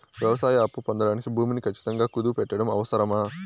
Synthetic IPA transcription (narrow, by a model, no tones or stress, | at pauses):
ʋjɐʋɐsaːjɐɐpːupond̪ɐɽaːnikibʱuːminikʰɐt͡ʃːi̥t̪ɐŋɡaːkud̪upɛʈːɐɽɐmɐ̰ʋɐsɐɾɐmaː